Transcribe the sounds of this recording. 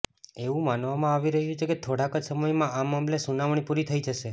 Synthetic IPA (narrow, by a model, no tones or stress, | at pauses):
eʋũmanʋamãaʋiɾəɦjut͡ʃʰeket̪ʰoɽakəd͡ʒsəməjmãamamlesunaʋɳipuɾit̪ʰəid͡ʒəʃe